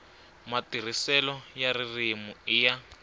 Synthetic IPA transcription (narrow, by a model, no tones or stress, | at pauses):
matir̤isɛlɔjaririmuija